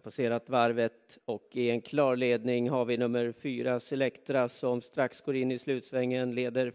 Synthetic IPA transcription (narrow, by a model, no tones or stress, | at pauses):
pʰaseːɾat̪vaɾvət̪ɔkɪɛnkʰlɑːɾɭeːd̪nɪŋɦaɾvɪnɵmːəɾfyːɾasɛlɛkt̪ɾasɔmst̪ɾaksɡoːɾɪnːɪslʉ̟ːt̪svɛŋːənleːd̪əɾ